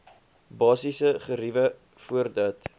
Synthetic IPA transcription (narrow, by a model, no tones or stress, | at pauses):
bɑːsisəχəɾivə | fuərdɐt